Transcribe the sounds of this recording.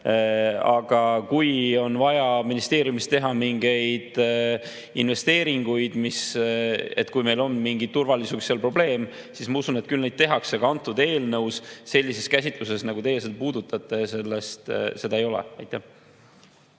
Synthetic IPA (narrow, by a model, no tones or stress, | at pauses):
ɑɡ̥ɑkujo̞nvɑjɑminist̪e̞ːɾjumist̪e̞ɦɑmiŋɡe̞jd̪̥ | inve̞st̪e̞ːɾiŋɡ̥ujd̪̥mis | e̞t̪ːˑkujme̞jlo̞nːmiŋɡit̪t̪ːurvɑlisuksːelpro̞ble̞ːm | sismɑusunet̪̚kylnejd̪̥̚t̪e̞ɦɑkseɡ̥ɑɑnt̪ːˑud̪e̞ːlnɤwsse̞lʲːise̞skæsʲit̪ˑluse̞snɑɡut̪e̞jːes̬elpuːd̪̥ut̪ːˑɑt̪ːˑe̞se̞lːest̪se̞d̪ɑejo̞lḛɑ̰jt̪ːˑæh